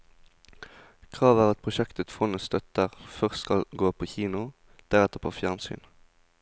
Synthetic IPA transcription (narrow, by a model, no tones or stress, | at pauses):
kʰʁɑːʋæːʁɑt̪̚pʰʁʊʃɛkt̪ət̪fɔnəst̪œt̪əʁfœʁsskɑlɡoːpʰoːçiːnʊ | d̪̥æʁɛt̪ːəpʰoːfjæʁnsy̰ːn